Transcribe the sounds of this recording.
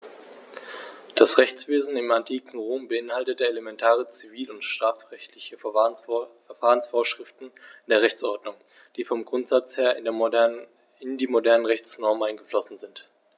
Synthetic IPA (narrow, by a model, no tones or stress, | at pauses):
d̥asʁɛçt͡sv̥eːzn̩ɪmantʰiːkŋ̩ʁoːmbəɪnhaltətəeləmɛntʰaːʁ̞ət͡siviːlʊntʃtʁ̥aːfʁɛçtʰlɪçə | ɛɐfaːʁənsfoːɐʃʁ̥ɪftn̩ndeːɐʁɛçt͡sʔɔɐdnʊŋ | d̥iːfɔmɡʁʊntz̥at͡sheːɐ | ɪndiːmodɛɐnənʁɛçt͡snɔɐmʔaɪnɡəflɔsn̩zɪnt